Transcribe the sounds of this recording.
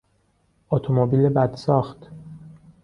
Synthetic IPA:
ɔt̪ʰomobiːlebæd̪̥sɒːxt̪

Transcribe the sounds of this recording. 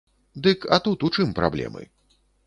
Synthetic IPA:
d̪ɨkɐt̪ut̪ut͡ʂɨmpɾablʲɛ̰mɨ̰

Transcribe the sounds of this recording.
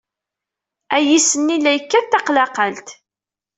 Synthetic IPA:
æjisənːilːæjəkːæθt̪ːɑqlɑqəlt̪

